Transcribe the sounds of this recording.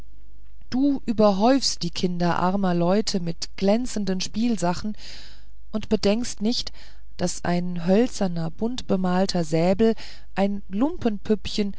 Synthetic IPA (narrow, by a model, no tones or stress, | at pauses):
d̥uːʔyːbɐɦɔʏfst̚d̥iːkʰɪndɐʔa̰ɐmɐlɔʏtʰəmɪtɡ̥lɛnt͡sn̩dənʃpiːlzaχn̩ | ʔʊntb̥ədɛŋkstnɪçt | d̥asʔa̰ɪnɦœlt͡sɐnɐbʊntb̥əmaːltʰɐzɛːbl̩ | ʔaɪn | lʊmpʰənpʰʏpçən